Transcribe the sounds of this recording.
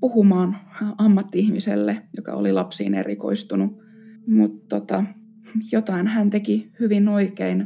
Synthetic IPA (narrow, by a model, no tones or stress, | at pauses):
puhumɑːnɑmːɑt̪ːiihmisḛlːejokɑ̰o̰lilɑpsḭːnḛriko̰ist̪unu | mut̪tot̪ɑ | jot̪ɑinhænt̪ekihyʋinoikein